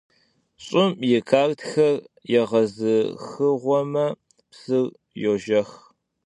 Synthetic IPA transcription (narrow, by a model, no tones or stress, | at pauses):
ɕʼʊmjɛkʰaːrtxɐrjɛʁɐzɨxɨʁʷɔmɐ | psɨr | joʒɐx